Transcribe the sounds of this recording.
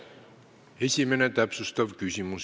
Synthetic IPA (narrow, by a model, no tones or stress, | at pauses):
e̞sʲime̞ne̞t̪æpsust̪ɑvkysʲimus